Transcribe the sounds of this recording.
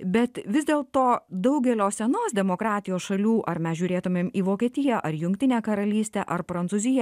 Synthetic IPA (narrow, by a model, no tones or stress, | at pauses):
bʲɛt̪ʋʲɪzʲd̪ʲeːlˠt̪oːd̪ɐʊɡʲɛlʲoːsʲɛnoːsd̪ʲɛmoːkɾɑːt̪ʲɪjoːsʃɐlʲuːʔɐɾmʲɛsʒʲuːɾʲeːt̪ʊmʲeːmiːʋoːkʲeːt̪ʲɪjɛʔɐɾjʊŋʲk̚ʲt̪ʲɪnʲeːkɐɾɐlʲiːsʲt̪ʲɛʔɐɾpɾɐntsuːzʲɪjɛ